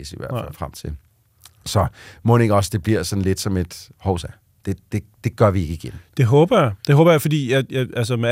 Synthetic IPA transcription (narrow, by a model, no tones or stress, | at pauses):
siʋæ̰ɐ̰fælfʁamt͡sʰe̝l | sɒ̽mɔne̝ŋɒ̽səd̥e̝b̥liɐsɒ̽n̩le̝d̥sɒ̽me̝d̥hɒʊsæ | d̥e̝d̥e̝d̥e̝ɡ̥ɶɐʋie̝ɡ̥əiɡ̥end̥e̝ɦɔ̽ːb̥ɐjäd̥e̝ɦɔ̽ːb̥ɐjäfɒ̽dḭːjajaʔæls̬əme